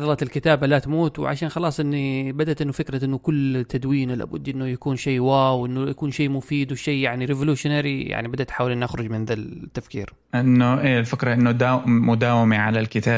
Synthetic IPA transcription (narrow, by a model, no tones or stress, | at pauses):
ɑðˤɑlɑt̪ɪlkɪt̪aːbalat̪muːt̪w̰ʕa̰ʃaːnxɑlɑːsˤʔɪnːibad̪at̪ʔɪnːʊfɪkɾaʔɪnːʊkʊlːt̪ʰːad̪wiːnla̰ːbʊd̪ːʔɪnːʊjakuːnʃiːwaːwʔɪnːujakuːnʃeːmʊfiːd̪wʃeːjaʕniɾɪvluːʃnaːɾija̰ʕnibad̪at̪ħaːwɪlʔɪnʔaxɾˤʊd͡ʒmɪnðat̪ːafkḭːɾ | ʔɪnːʊʔeːɪlfɪkɾˤɑʔɪnːud̪aːmʊd̪aːwɪmiʕalalkɪt̪aː